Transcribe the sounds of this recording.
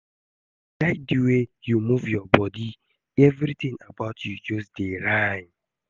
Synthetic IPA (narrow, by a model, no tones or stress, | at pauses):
daɪt̚diwejumuvjɔbɔdi | ɛvɾitĩŋa̰baʊtʰjud͡ʒɔsdeɾãn